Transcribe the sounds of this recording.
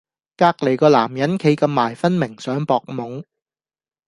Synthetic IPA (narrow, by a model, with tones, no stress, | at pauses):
kaː˧k̚le˨˩jkɔː˧laː˨˩mjɐ˨˥nkʰe˨˥jkɐ˧mːaː˨˩jfɐ˥nmɪ˨˩ŋsœː˨˥ŋpɔː˨k̚mʊ˨˧ŋ